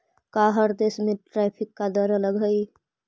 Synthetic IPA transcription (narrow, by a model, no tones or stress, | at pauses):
kaɦəɾd̪esmẽʈɾapʰikːad̪əɾələɡʱəj